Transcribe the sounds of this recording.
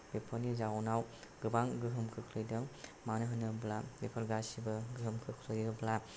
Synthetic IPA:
b̥epʰɔnizawnaw | ɡɯbaŋɡɯɦɯmkʰɯkʰlɯjdɐmanɯɦɯnɯblalepʰɐɾɡasibɐɡɯɦɯmkʰɯkʰlɯjɯbla

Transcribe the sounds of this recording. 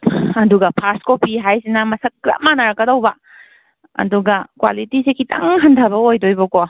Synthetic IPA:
ɐduɡɐpʰaskopiɦajsinɐmɐsɐkːɾa̰manɐɾɐkːɐdowbɐ | ɐ̰duɡɐkwa̰litisekitʰa̰ŋɦɐndʱɐbɐojdojbɐko

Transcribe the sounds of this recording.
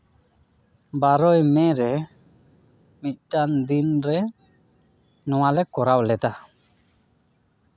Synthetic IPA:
baɾɔjmɛ̃ɾɛ | mit̪̚ˀʈand̪inɾɛ | nɔwalɛkɔɾawlɛt̪a

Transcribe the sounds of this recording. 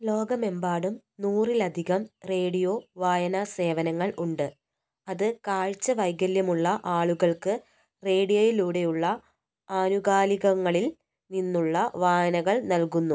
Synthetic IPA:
lo̞ːɡɐme̞mbaːɽum | nuːrilɐd̪ʱiɣɐmre̞ːɽijo̞ːʋaːjɐnɐse̞ːʋɐnɐŋːɐɭuɳɖɨ | ɐðɨkaːɻt͡ɕːɐʋɐjɡɐljɐmuɭːɐʔaːɭuɣɐɭkɨ | re̞ːɽijojiluːɽe̞juɭːɐ | aːnuɣaːliɣɐŋːɐɭil | ninːuɭːɐʋaːjɐnɐɣɐɭnɐlkunːu

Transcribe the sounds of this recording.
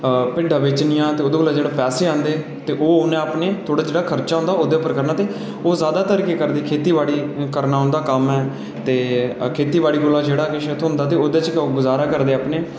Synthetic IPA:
pɪɖʱaːʋɪt͡ʃnɪjãːt̪eːoːd̪eːkolaːd͡ʒeːɽaːpɛːseːãːnd̪eː | t̪eːʔoːʊnẽːaːpneːt̪ʰoːɽaːd͡ʒeːɽaːkʰəɾt͡ʃaːɦʊ̃nd̪aːoːd̪eːpəɾkəɾnaːt̪eː | oːzaːd̪aːt̪əɾkeːkəɾd̪eːkʰeːt̪iːʋaːɽiːkəɾnaːɦʊ̃nd̪aːkəmɛː | t̪eːkʰeːt̪iːʋaːɽiːkʊlaːd͡ʒeːɽaːkɪʃət̪ʰɦʊ̃nd̪aːt̪̬eːoːd̪eːt͡ʃɡʊzaːɾaːkəɾd̪eːaːpneː

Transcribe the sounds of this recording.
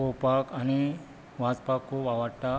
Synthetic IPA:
opakañi | ʋad͡zpakːobaʋaɽʈ̪a

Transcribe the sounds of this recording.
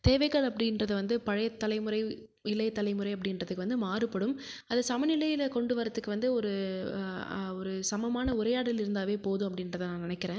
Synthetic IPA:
t̪eːʋɐɪɣɐɭɐpːɐɽɪnɾɐðɯʋɐnd̪ɯpɐɻɐjɐt̪ːɐlɐɪmɯɾɐɪ | ɪlɐɪt̪ːɐlɐɪmɯɾɐɪɐp̬ːɐɽɪnrɐðɯkːɯʋɐnd̪ɯmaːrɯpːɐɽɯmɐðɐsɐmɐnɪlɐjɪlɐkɔɳɖɯʋɐɾɐt̪ːɯkːɯʋɐnd̪ɯɔɾɯ | ɔɾɯsɐmɐmaːnɐʊɾɐjaːɽɪlɪɾɯnd̪aːʋeːpoːðũɐpːɐɽɪnɾɐðɐnãːnɪnɐkːɪɾẽː

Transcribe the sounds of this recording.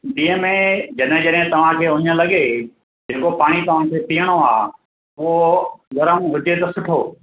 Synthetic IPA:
ɗĩːə̃mẽd͡ʑɐɗɦɪ̃d͡ʑɐɗɦɪ̃t̪ɐʋ̤ãkʰeːʊɲə̃lɐɠe | d͡ʑeːkopaːɽ̃it̪ɐʋ̤ãkʰeːpiːəɽ̃oa̰ː | ʊɦoɡɐɾəmʋʊd̪ʱet̪ɐsʊʈʰoː

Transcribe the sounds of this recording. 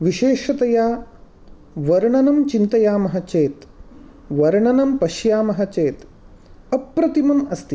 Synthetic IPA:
ʋiʃeːʂɐt̪ɐjaː | ʋɐɾɳɐnɐmt͡ʃint̪ɐjaːmɐɦɐ̆t͡ʃeːt̪ | ʋɐɾɳɐnɐmpɐʃjaːmɐɦɐt͡ʃeːt̪ | ɐpːɾɐt̪imɐmɐst̪i

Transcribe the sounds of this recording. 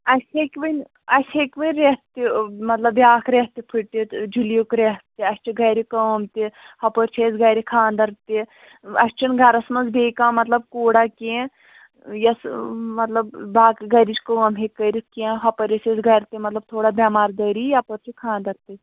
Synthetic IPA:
ɐsʲekʲʋənʲ | ɐsʲʰekʲʋinʲɾeht̪imɐt̪lɐbjaːkʰɾeht̪ipʰiʈit̪d͡ʒiljukɾeɦt̪iɐsʲt͡ʃʰiɡɐjɾikɐʋmt̪ihɐpəɾt͡ʃʰesɡɐɾikʰãːnd̪ɐɾt̪i | ɐsʲt͡ʃʰinɡʱɐɾɐsmɐzbeːkãːmɐt̪lɐbkoːɽakẽ | jɐsmɐt̪lɐbbaːkɡɐɾit͡ʃʰkəʋɐmɦekːəɾikẽːɦɐpɐɾʲisezɡɐɾt̪imɐt̪lɐb̚t̪ʰoːɽabʲamaːɾd̪əːɾijapəɾt͡ʃʰikʰãːnd̪ɐɾt̪i

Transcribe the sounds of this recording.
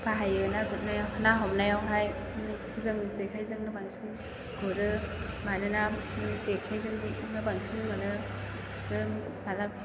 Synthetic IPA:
baɦajɯnaɡut̚najawhʰɯnaɦɔmnajawɦaj | zɯŋzekʰajzɯŋnɯbaŋsin | ɡɔɾɯmanɯnazekʰajzɯŋnɯbaŋsinmanɯ | ɯ | bala

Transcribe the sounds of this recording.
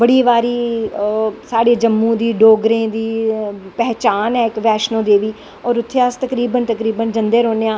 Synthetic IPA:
bəɽiːʋaːɾiː | saːɽeːd͡ʒəmːũːd̪iːɖoːɡɾẽːd̪iːpɛɦt͡ʃaːnɛːɪkʋɛːʃnõːd̪eːʋiː | ɔːɾʊt̪ʰːeəst̪əkɾiːbənt̪əkɾiːbənd͡ʒənd̪eːɾoːneːãː

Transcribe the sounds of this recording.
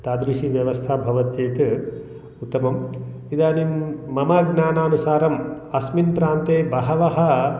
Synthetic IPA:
t̪aːd̪ɾiʃiʋjɐʋɐst̪ʰaːbʱɐʋɐt̪̚t͡ʃeːt̪ | ut̪ːɐmɐm | id̪aːnimːɐmaːɡnaːnaːnusaːɾɐm | ɐsminpɾaːnt̪eːbɐɦɐʋɐɦɐ̆

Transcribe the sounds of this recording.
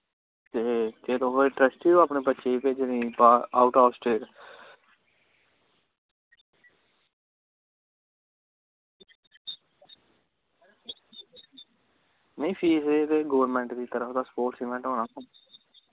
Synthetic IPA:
t̪eːt̪eːt̪õːɦoːeʈɾəsʈiːoaːpneːpətːʃeːpeːd͡ʒnĩːpaːa̰ːʊʈaːsʈeːɾ | nəĩːpʰiːseːt̪eːɡoːəɾmɛ̃ːɳʈd̪iːt̪əɾəfd̪aːspoːɾʈsiːkmɛ̃ɳʈɦoːnaːko

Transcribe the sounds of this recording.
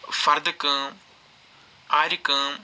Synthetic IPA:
fɐɾd̪kɨ̃ | aːɾikɨ̃

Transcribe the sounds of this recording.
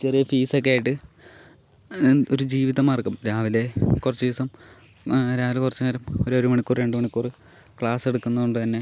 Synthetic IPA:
t͡ɕerijɐfiːsokːeaːjiʈːɨ | oɾud͡ʑiːʋiðɐmaːrkɐmɾaːʋile̞kurɐt͡ɕːuʋiːsɐm | ɾaːʋilekurɐt͡ɕːumɐɾɐmoɾoɾumɐɳikːuːrɾe̞ɳɖɨmɐɳikːuːrɨkɭaːse̞ɽukːunːɐðuɳɖɨt̪ɐnːe

